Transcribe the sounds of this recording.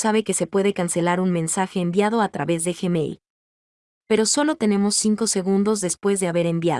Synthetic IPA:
saβe̞ke̞se̞pwe̞ðe̞kanse̞laɾunmẽ̞nsaxe̞ːmbjað̞o̞at̪ɾaβe̞zðexemḛjl | pe̞ɾo̞so̞lo̞t̪e̞ne̞mo̞sːiŋko̞se̞ɣũnd̪o̞zðe̞spwe̞zðe̞aβe̞ɾe̞mbja̰

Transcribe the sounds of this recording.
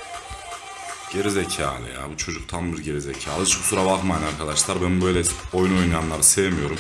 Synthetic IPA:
ɟ̥eɾizecʰalˠɯ̰ja̰but͡ʃʰo̞d͡ʒukt̪ʰanbiɾɟe̞ɾizecʰaːlˠɯʃbusuɾabaqmajnaɾkʰad̪aʃlˠaɾbænbøjlʲɛo̞juno̞junajanlˠaɾɯsevmijo̞ɾum

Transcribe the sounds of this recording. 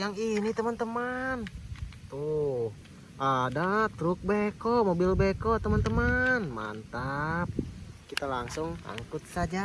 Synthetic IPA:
jaŋinit̪əmənt̪əmant̪uh | ʔadat̪ɾʊk̚bekomobilbekɔt̪əmənt̪əmanma̰nt̪ap̚kit̪alaŋsʊŋa̰ŋkʊt̪̚sad͡ʒa

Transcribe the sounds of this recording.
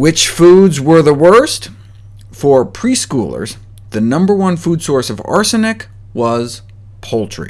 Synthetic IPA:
wɪt͡ʃfudzwə˞ðəwɜ˞st | fə˞pʰɹ̥iskṵlˠə̰˞z | ðɨnʌ̃mbə˞wʌ̃nfud̥sɔɹsʌvɑ̰ɹsɨnɨk | wʌz̥ | pʰolˠtʰɹ̥ḭ

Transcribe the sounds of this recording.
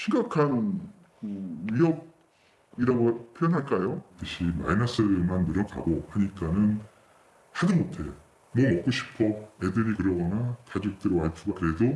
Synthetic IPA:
ɕʰiŋɡakʰann | kɯɥiɦʌb̚ | iɾaɡopʰjojʌnɦaɭk͈ajotɯɕʰima̰inas͈ʰɯmanːuɾjʌŋka̰ɡohaɲik͈anɯn | hadɯmotʰejo | mwʌmʌk͈oɕʰi̥pʰʌe̞dɯɾikɯɾʌɡʌnakad͡ʑok̚t͈ɯɾwɦaɭpʰuɡakɯɾe̞do

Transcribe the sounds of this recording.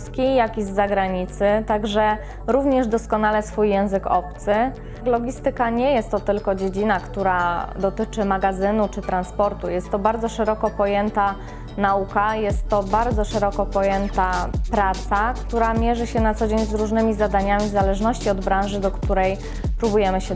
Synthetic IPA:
skʲijakʲizzaɡɾaɲit̪sɘt̪aɡʐɛ | ɾuvɲɛʐd̪ɔskɔnalɛsfujːɛ̃w̃zɘkɔ̰pt̪sɘ | klɔɡʲist̪ɘkaɲɛjɛst̪ːɔt̪ɘlkɔd͡ʑed͡ʑinakt̪uɾad̪ɔt̪ɘt͡ʂɘmaɡazɘnut͡ʂɘt̪ɾanspɔɾt̪ujɛst̪ːɔbaɾd̪zɔʂɛɾɔkɔpɔjɛnt̪a | naukajɛst̪ːɔbaɾd̪zɔʂɛɾɔkɔpɔjɛnt̪apɾat̪sakt̪uɾamʲjɛʐɘɕɛnat̪sɔd͡ʑeɲzɾuʐnɘmʲizad̪aɲamʲizalɛʐnɔɕt͡ɕiɔd̪bɾãwʐɘd̪ɔkt̪uɾɛj | pɾubujɛmɘɕɛ

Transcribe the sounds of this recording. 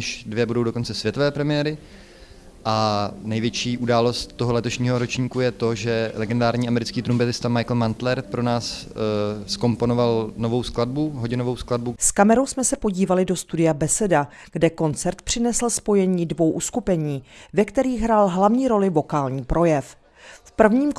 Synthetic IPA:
ɪʃdvjɛbudo̞wdo̞ko̞nt͡sɛsvjɛt̪ovɛːpɾɛmɪjɛːɾɪ | ʔanɛjvjɛt͡ʃiːʔudaːlo̞st̪ːoɦolɛt̪o̞ʃɲiːɦoɾot͡ʃɲiːkujɛt̪o̞ʒɛlɛɡɛndaːɾɲiːʔamɛɾɪt͡skiːt̪ɾumpɛt̪ɪst̪amajkl̩mant̪lɛɾpɾo̞naːs | sko̞mpo̞novalno̞vo̞wsklad̚buɦoɟɪnovo̞wskladbuskamɛɾo̞wsmɛsɛpo̞ɟiːvalɪdo̞st̪udɪjabɛsɛda | ɡ̥dɛko̞nt͡sɛɾt̪pr̝̥ɪnɛsl̩spo̞jɛɲiːdvo̞wʔuskupɛɲiːvɛkt̪ɛɾiːxɦɾalɦlavɲiːɾo̞lɪvo̞kaːlɲiːpɾʔo̞jɛf | fpr̩vɲiːm

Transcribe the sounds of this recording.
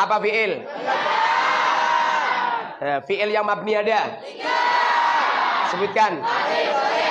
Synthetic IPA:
apafiɪl | fiɪljaŋmap̚niada | səbʊt̪̚kan

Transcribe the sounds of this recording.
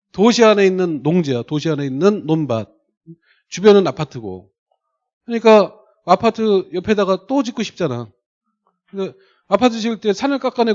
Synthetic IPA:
toɕʰianeinːɯnːoŋd͡ʑeatoɕʰiɦane̞inːɯnːonbad̚ | t͡ɕubjʌnɯnapʰatʰɯɡo̰ | kɯɲik͈a | apʰatʰɯjʌpʰe̞daɡat͈ot͡ɕik͈oɕʰip̚t͡ɕ͈ana | ɯɡe | apʰatʰɯɕ̬ʰiɭt͈e̞sʰanɯɭk͈ak͈ane̞

